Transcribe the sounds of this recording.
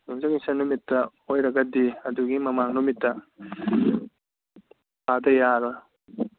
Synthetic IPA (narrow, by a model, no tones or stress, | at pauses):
nuŋzɐŋisɐnumitːɐ | ojɾɐɡɐdiɐduɡimɐmaŋnumitːɐ | pʰadɐjaɾɐ